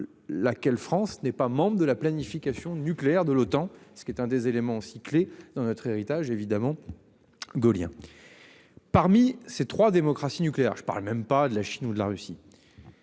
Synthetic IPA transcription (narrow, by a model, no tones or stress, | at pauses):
lakʲɛlfχɑ̃snɛpamɑ̃bʁəd̪əlaplanifikʲasjɔ̃nykleɛʁd̪əlot̪ɑ̃sə̥kʲɛt̪ɛ̃d̪ezelemɑ̃osikled̪̥ɑ̃nɔt̪χeʁit̪aʒevid̪amɑ̃ | ɡoljɛ̰̃ | paʁmiset̪χwad̪emɔkχasinykleɛ̰ʁʒəpa̰lmɛmpad̪əlaʃinud̪əla̰ʁysi